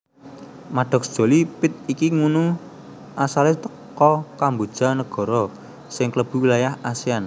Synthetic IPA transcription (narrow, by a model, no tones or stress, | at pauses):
maɖ̥ɔ̤k̚sd̥ʒ̥o̤lipɪt̪̚ikiŋunu | ʔasalet̪ə̥ | kɔkambod̥ʒ̥a̤nəɡ̥ɔ̤ɾɔ | sɪŋkləb̥ṳwilajahasian